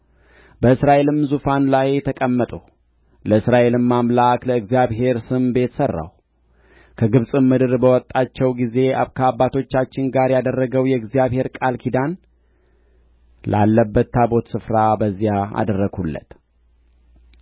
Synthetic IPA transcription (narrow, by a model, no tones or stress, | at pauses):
bəɨsɾaʔe̞lɨmzufanlajɛt̪ʰəkʼəmːət̪ʼu | ləɨsɾaʔe̞lɨmːamlakləɨɡzijaβɦe̞ɾsɨmbe̞t̪sərːa̰w | kʰəɡɨβsʼɨmːɨd̪ɨɾbəwɔt̪ʼːat͡ʃːɛwɡize̞a̰kʰəabːat̪ʰo̞t͡ʃːat͡ʃːɪŋɡaɾjad̪ərːəɡəwjɛɨɡzijaβhe̞ɾkʼalkʰid̪an | lʔa̰lːəbːət̪ʰːabo̞t̪sɨfɾabəzːijaa̰d̪ərːəɡhulːə̰t̪